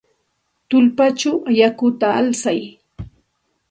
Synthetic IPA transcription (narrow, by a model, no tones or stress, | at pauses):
t̪ʊlpat͡ʃawajakʊt̪aa̰lsaj